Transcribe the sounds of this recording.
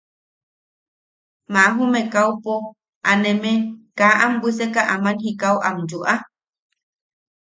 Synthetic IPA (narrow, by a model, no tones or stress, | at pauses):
maɦumekawpo | anemekaʔambis̬ekaʔamanhikawʔamd͡ʒuʔa